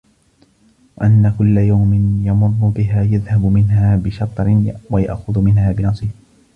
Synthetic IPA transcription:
waʔanːakʊlːajawmɪnjɑmʊrːʊbɪɦaːjaðhabmɪnɦaːbɪʃɑt̪ˤɾɪnwaja̰ʔxʊðmɪnɦaːbɪnɑsˤɪh

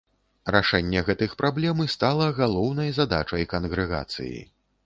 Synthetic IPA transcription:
ɾaʂɛnʲːɛɣɛt̪ɨxpɾʔablʲɛmɨst̪alˠɐɣalˠɔwn̪ɐjzad̪at͡ʂɐjkɐnɣɾɛɣa̰t̪sɨ̰jḭ

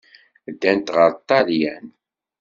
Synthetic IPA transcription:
d̪ːænt̪ʁəɾˤt̪ːɑɾjæn

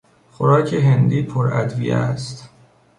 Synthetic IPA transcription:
xoɾɒːcʰeɦend̪iːpʰoɾæ̰d̪vḭjḛæst̪

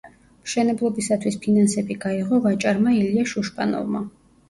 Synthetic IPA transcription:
mʃɛnɛblˠɔbisat̪ʰwispʰinansɛbiɡaiʁɔvat͡ʃʼaɾmailiaʃuʃpʼa̰nɔ̰vma

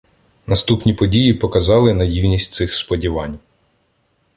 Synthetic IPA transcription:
nɐst̪upnʲipɔdʲijipɔkɐzɑlˠɪnɐjiwnʲisʲtʲsɪxspɔdʲiʋɑnʲ

